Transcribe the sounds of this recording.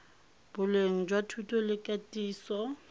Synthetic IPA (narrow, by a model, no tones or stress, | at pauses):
b̥ʊleŋ̩d͡ʒwatʰutʰʼɔlɪkʼatʼiːsɔ